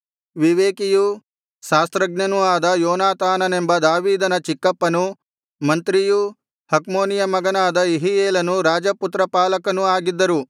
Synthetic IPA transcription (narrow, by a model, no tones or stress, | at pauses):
ʋiʋeːkiju | ʃaːst̪ɾɐɡnɐnuaːd̪ɐjɔːnaːt̪aːnɐne̞mbɐd̪aːʋiːd̪ɐnɐt͡ʃikːɐpːɐnu | mɐnt̪ɾiju | hɐkmoːnijɐmɐɡɐnaːd̪ɐiɦijeːlɐnuɾaːd͡ʒɐput̪ɾɐpaːlɐkɐnuaːɡid̪ːɐɾu